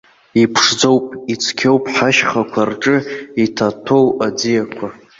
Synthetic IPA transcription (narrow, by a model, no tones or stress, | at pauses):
ipʰʂd͡zo̞wpʼit͡sʰkʲʰo̞wpʼħaʃχakʷʰarʈ͡ʂʼɨitʰatʰo̞wad͡zijakʷʰa